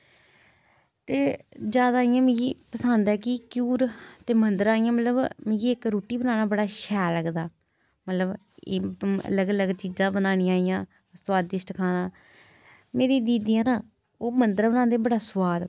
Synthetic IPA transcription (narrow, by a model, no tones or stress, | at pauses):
t̪eːd͡ʒjaːd̪aːijãːmɪ̃ɡiːpəsãːnd̪ɛːkɪkjuːɾt̪eːmənd̪əɾaːijãːmət̪ləbmɪ̃ːɡiːɪkɾoːʈiːbənaːnaːbəɽaːʃɛːləɡd̪aː | mət̪ləb | eːə̰ləɡələɡt͡ʃiːzãːbənaːnĩːaːijãː | swaːd̪ɪsʈkʰaːnaː | meːɾiːd̪iːd̪ijãːnaː | oːmənd̪əɾbənãːnd̪eːbəɽaːsʊwaːd̪